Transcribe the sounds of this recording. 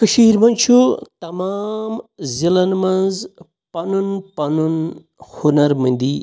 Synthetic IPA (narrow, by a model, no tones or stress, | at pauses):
kɐʃiːɾmɐnt͡ʃʰut̪ɐmaːmzilɐnmɐnz | pɐnunpɐnun | hunɐɾmɐ̃nd̪i